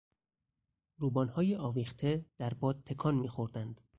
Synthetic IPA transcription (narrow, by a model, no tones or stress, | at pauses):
ɾuːbɒːnhɒːjeʔɒːviːxt̪ʰed̪̥æɾbɒːd̪̚t̪ʰːe̞kʰɒnmiːxoɾd̪ænd̪̥